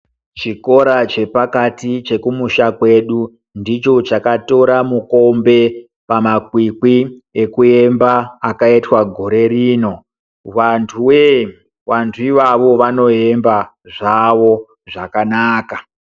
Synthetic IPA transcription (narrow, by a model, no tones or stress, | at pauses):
t͡ʃiko̞ɾat͡ʃe̞pakatit͡ʃe̞kumuʃakwe̞ɗu | ndit͡ʃo̞t͡ʃakato̞ɾamuko̞mbe̞ | pamakwikwiekue̞mbaːkaitwaɡʱo̞ɾe̞ɾiːno̞ | ʋantʰuwe | wantʰuiʋaʋo̞ʋano̞e̞mba | ʐaʋo̞ | ʐakanaːka